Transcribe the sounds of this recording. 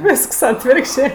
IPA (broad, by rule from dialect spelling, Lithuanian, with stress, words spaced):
ˈʋʲɪsks ˈɑːtʲʋʲɪrkʃʲt͡ʃʲeː